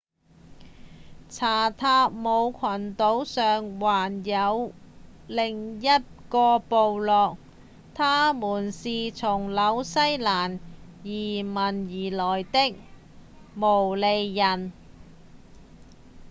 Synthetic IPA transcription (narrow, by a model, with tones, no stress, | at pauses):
t͡sʰaː˨˩t̪ʰaː˧mo˨˧wkʰɐ˨˩nt̪o˨˥wsœː˨ŋwaː˨˩njɐ˨˧w | lɪ˨˩ŋjɐ˥t̚kɔː˧po˨˧wlɔː˨k̚ | t̪ʰaː˥muː˨˩nsiː˨t͡sʰʊ˨˩ŋlɐ˨˧˥wsɐ˥jlaː˨˩njiː˨˩mɐ˨˩njiː˨˩lɔː˨˩jt̪ɪ˥k̚ | mo˨˩wle˨˧jːɐ˨˩n